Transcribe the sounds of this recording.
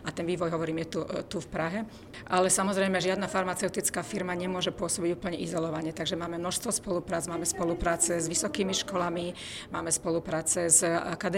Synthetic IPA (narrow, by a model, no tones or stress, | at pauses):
at̪ɛnʋiːʋɔjɦɔʋɔɾiːmjɛt̪ut̪ufpɾaɦɛ | ʔalɛsamɔzɾɛjmɛʒɪad̪nafaɾmat͡sɛʊt̪it͡skaːfiɾmaɲɛmʊɔʒɛpʊɔsɔbiɟuːpl̩ɲɛʔizɔlɔʋaɲɛt̪aɡʒɛmaːmɛmnɔʃst̪ʋɔspɔlupɾaːd͡zmaːmɛspɔlupɾaːt͡sɛzʋisɔkiːmiʃkɔlami | maːmɛspɔlupɾaːt͡sɛza̰kad̪